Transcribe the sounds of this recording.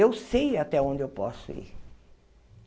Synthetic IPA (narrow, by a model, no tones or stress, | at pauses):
ewsejat̪ɛõd͡ʒɪewpɔsʊḭɾ